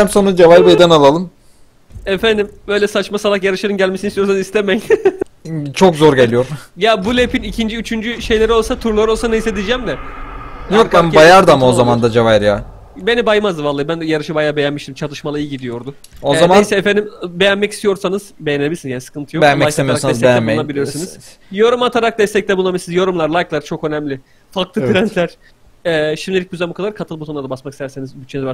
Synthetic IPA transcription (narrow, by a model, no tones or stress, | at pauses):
æmsonud͡ʒevaɾbejd̪ɛnalˠalˠɯm | efænd̪imbø̞jlʲɛsat͡ʃmasalˠakjaɾɯʃaɾɯnɟælʲmesinist̪ijo̞ɾs̬anɯzist̪emɛc | t͡ʃʰokzoɾɟelʲijoɾmjabulʲepʰinicʰind͡ʒiyt͡ʃʰynd͡ʒyʃe̞jlʲeɾiolˠsat̪ʰuɾlˠaɾo̞lˠsanejised̪id͡ʒæmd̪ɛ | njoɾambajaɾd̪amao̞zamand̪ad͡ʒevajɾjaː | be̞nibajmazd̪ɯvalˠːabænjaɾɯʃɯbajaːbe̞jænmiʃt̪imt͡ʃʰat̪ˠɯʃmalˠaijɯɟid̪ijo̞ɾd̪ʊ | ozamaisɛefend̪imbe̞jænmɛcist̪ijo̞ɾsanɯzbe̞jeneisnzjanisɯ̥kʰɯnt̪ʰɯjobejænmɛajʃsemijoɾasaɛszejænmeabilʲijo̞ɾsunɯz | joɾumat̪ʰaɾak̚d̪ɛst̪ʰɛc̚t̪ɛbulːˠabilisnizjo̞ɾumlˠaɾlˠajklˠaɾt͡ʃʰo̞kønɛmlʲɪ | falˠklˠɯt̪ɾænt̪lʲæɾ̥ | ɛːʃimlʲilʲic̚ɟyzæmbukad̪aɾkʰat̪ʰɯlˠbut̪ʰonˠad̪abasmakist̪æɾsenizbyt͡ʃʰːenizba